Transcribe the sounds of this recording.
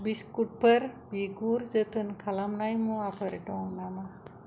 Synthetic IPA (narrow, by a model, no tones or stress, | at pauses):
biskuʈ̚pəɾbiɡuɾd͡ʒət̪ʰənkʰalamnajmũapʰəɾeʈoŋnama